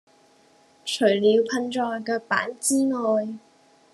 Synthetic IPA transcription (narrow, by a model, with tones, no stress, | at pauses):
t͡ʃʰɵ˨˩ɥliː˨˧wpʰɐ˧nʈ͡ʂɔː˧jkɛː˧pa̰ː˨˥nt͡siː˥ŋɔː˧j